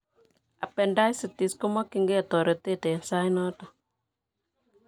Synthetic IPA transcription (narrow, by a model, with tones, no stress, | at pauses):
a˨pɛ˨nda˦jsi˨ti˨sko˦mɔ˦ki˨ŋɡe˦a˨tɔ˨ɾe˨te˦tɛ˨sa˦jnɔ˦tɔ˨